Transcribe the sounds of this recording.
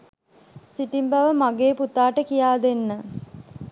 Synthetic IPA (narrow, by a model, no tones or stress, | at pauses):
siʈimbaʋəmaɡeːput̪aːʈəkijaːd̪enːə